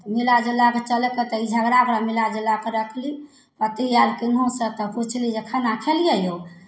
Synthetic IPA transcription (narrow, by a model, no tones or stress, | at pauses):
milad͡ʒəlaket͡ʃəlket̪ɔid͡ʒʱəɡɾakɾamilad͡ʒəlːakeɾəkʰli | pət̪ialkiŋɡʱõsət̪ɔput͡ʃʰlid͡ʒekʰənakʰelijəjo